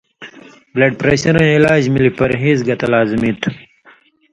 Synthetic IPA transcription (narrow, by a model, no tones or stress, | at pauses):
bleɖ̚pɾeːɕɐɾẽilaːd͡ʑmilipɐɾɦiːzɡɐt̪ɐlaːzimit̪